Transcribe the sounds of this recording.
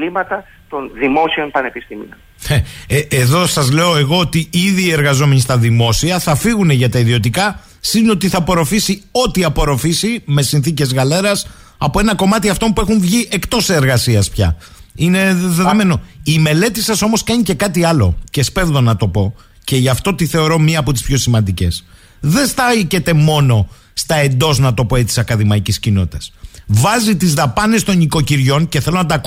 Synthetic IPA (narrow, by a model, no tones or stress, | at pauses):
limɐt̪ɐ | t̪onðimosionpɐnepist̪imḭon | eeðo̞sɐzle̞oe̞ɣo̞ot̪iiðiːe̞ɾɣɐzo̞me̞ɲist̪ɐðimo̞siɐθɐfiɣune̞ʝɐt̪ɐiðio̞t̪ikɐ | sino̞t̪iθɐpo̞ɾo̞fisio̞t̪iɐpo̞ɾo̞fisime̞sinθice̞zɣɐle̞ɾɐs | ɐpo̞e̞nɐko̞mɐt̪iɐft̪o̞mpue̞xuɱvʝiʔe̞kt̪o̞seːɾɣɐsiɐspçɐ̰ | ine̞ðeðo̞me̞no̞ime̞le̞t̪isɐso̞mo̞skɐɲice̞kɐt̪iɐlo̞̰ce̞spe̞vðo̞nɐt̪o̞po̞ | ce̞ʝɐft̪o̞t̪iθe̞o̞ɾo̞miɐːpo̞t̪ispço̞simɐnd̪ice̞̰s | ðe̞st̪ɐce̞t̪e̞mo̞no̞ | st̪ɐe̞nd̪o̞znɐt̪o̞po̞et͡si̥sɐkɐðimɐiciscino̞t̪i̥t̪ɐ̥svɐzit̪izðɐpɐne̞st̪o̞niko̞ciɾʝo̞nce̞θe̞lonɐt̪ɐk